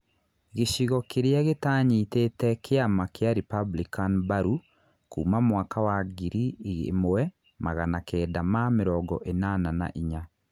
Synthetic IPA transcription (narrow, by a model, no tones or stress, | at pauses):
ɣeʃiɣɔkeɾeaɣetaːɲitetɛkʰeamakeaɾipablikanbaɾu | kuːmamwaːkawaɡiɾiḛmoɛ | maɣanakɛːdamameɾɔːɡɔ̰ʔenanana̰ʔiɲa